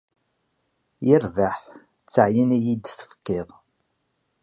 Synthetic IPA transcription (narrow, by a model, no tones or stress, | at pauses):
jɪɾvaħ | t͡sːəʕjənæjid̪θə̥fə̥kːɪðˤ